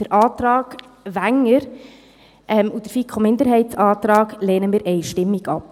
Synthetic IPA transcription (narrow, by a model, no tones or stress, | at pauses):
d̥əɾʔɑːt̪ɾɑːɡ̥ | ʋæŋːəɾ | ʔɛmud̥əɾfikʰomɪnd̪əɾhɛɪtsɑːtɾɑːɡ̥lɛːnəmiːɾʔɛɪʃtɪmːiɡɑp